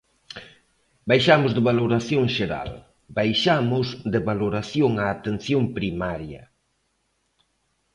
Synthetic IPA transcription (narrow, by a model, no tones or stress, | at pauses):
bajʃamʊzðɪβaloɾaθjoŋʃeɾa̰l | bajʃamʊzd̪ɪβaloɾaθjoŋaːt̪enθjoŋpɾimaɾjɐ̰